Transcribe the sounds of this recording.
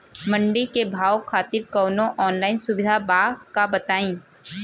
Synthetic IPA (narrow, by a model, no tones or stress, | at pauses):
mɐ̃ɳɖikebʱaːwkʰaːt̪ɪɾkɔːnõʔɔːnlaːɪnsʊbɪd̪ʱabaːkabɐt̪aːĩː